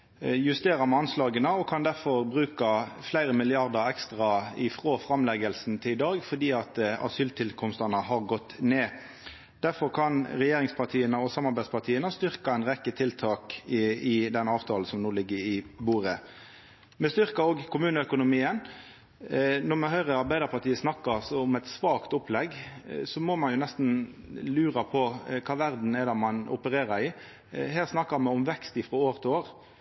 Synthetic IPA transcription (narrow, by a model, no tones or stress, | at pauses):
jʉst̪eːʁɑmɛɑnslɑːɡənəɔkʰɑnd̪æʁfɔʁbɾʉːkɑflæɪɾəmɪlɪɑʁd̪ɑʁɛkst̪ʁɑɪfʁoːfʁɑmlɛɡəlsn̩t̪ʰɪlɪd̪ɑːɡfɔʁd̪iːɑt̪ɑ̰syːlt̪ʰɪlkʰɔmst̪ɑnəhɑʁɡɔt̪ːneː | d̪̥æʁfɔʁkʰɑnʁɛjeːʁɪŋspʰɑʁt̪ʰiːənəɔsɑmːɑʁbæɪspɑʁt̪ʰiːənəst̪ʏʁkɑɛɪnʁɛkːət̪ʰɪlt̪ʰɑːkɪd̪ɛnɑːʋt̪ʰɑːl̩sɔmnuːlɪɡːəɾɪbuːɾə | mɛst̪ʏɾkɑoːɡkʰʊmʉːnəœkʊnʊmiːən | nɔmɛɦœʏʁəɑɾbæɪd̪əɾpʰɑɾt̪ʰiːəsnɑkːəsɔʊmɛɪt̪sʋɑːkt̪ʊplɛɡsɔmɔmɑnjʊnɛst̪n̩lʉːʁɑpʰɔkʰɑːʋæɾd̪n̩ɛd̪æmɑnʊ̰pəɾeːʁɑɾɪ | ɦeːʁsnɑkːɑmɛʊmʋɛkst̪ɪfʁɔoːʁt̪ʰoːʁ